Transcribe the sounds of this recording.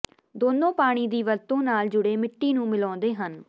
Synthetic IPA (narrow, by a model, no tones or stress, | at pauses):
d̪oːnõːpaːɽ̃iːd̪iːʋəɾt̪õːnaːld͡ʒʊɽeːmɪʈːiːnũːmɪlɔ̃ːnd̪eːɦən